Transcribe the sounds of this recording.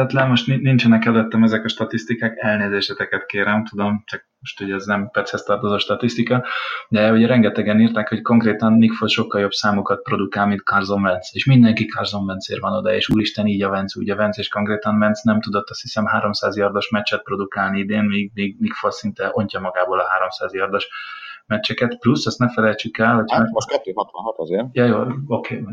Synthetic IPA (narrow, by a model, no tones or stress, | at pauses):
ɛt̪lɛnmo̞ʃt̪ninint͡ʃɛnɛkɛlɛt̪ːɛmɛzɛkɒʃt̪ɒt̪ist̪ikaːkɛlneːzeːʃɛt̪ɛkɛt̪keːɾɛmt̪ud̪o̞mt͡ʃɒk̚moʃt̪hoɟɛznɛmpɛt̪shɛst̪ɒrt̪ozoːʃt̪ɒt̪ist̪ikɒd̪ɛuɟɛɾɛŋɡɛt̪ɛɡɛniːrt̪akho̞cko̞ŋkreːt̪ɒnːikfolʃo̞kːɒljo̞bsaːmukɒt̪̚pro̞d̪ukaːlmint̪kʰɒrzo̞ɱvɛnt̪seːʃmind̪ɛŋkikʰɒrzo̞ɱvɛnsḛːrvɒno̞d̪ɒḛːʃuːɾiʃt̪ɛniːɟɒvɛnt̪sṵːɟɒvɛnt̪seːʃko̞ŋkreːt̪ɒnvɛnt̪snɛmt̪ud̪ot̪ːɒst̪hisɛmɦaːɾo̞msaːzjɒrd̪o̞ʃmɛt͡ʃːɛt̪̚pro̞d̪ukaːlniid̪eːnmiːɡ̚miːɡnikfolsint̪ɛʔo̞ɲcɒmɒɡaːboːlɒɦaːɾo̞msaːzjɒrd̪o̞ʃmɛt͡ʃːɛkɛt̪plusːɒst̪nɛfɛlɛjt͡ʃykɛlɦocʰmoʃkɛt̪ːøːhɒt̪ʋɒnɦɒt̪ɒzeːrjɒjoːlokʰeː